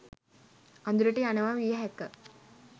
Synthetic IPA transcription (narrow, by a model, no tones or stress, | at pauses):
and̪uɾəʈeaneʋaːʋijəɦɛkːə